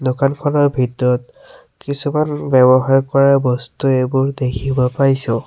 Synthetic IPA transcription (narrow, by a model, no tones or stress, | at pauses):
dokankʰɔnɔɹbʱitɔt | kisumanbɛbɔɦaɹkɔɹabɔstuebʊɹd̪ekʰibɔpaɹjsʊ̃